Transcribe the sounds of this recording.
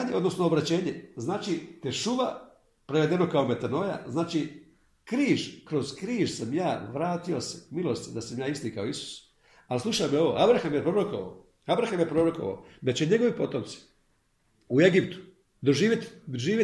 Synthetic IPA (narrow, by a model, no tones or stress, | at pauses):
ɲeʔo̞d̪nosnoobɾat͡ɕe̞ːɲe̞znaːt͡ʃit̪eʃuʋa̰ | pɾeʋe̞d̪e̞no̞kao̞me̞t̪ano̞ja̰znaːt͡ʃi | kɾiːʒkɾo̞z̥kɾiːʒsamjaːʋɾaːt̪io̞semilo̞st̪d̪asamjaːist̪iːkaoisu̥s | alslˠuʃaːmeo̞ʋo̞̰ːʔabɾaxamjepɾo̞ɾokoʋa̰o | abɾaxamjepɾo̞ɾoko̞ʋa̰od̪at͡ɕeɲe̞ɡo̞ʋipo̞t̪o̞mt̪si̥ | ue̞ɡipt̪u̥ | d̪o̞ʒiːʋjet̪d̪oʒiːʋje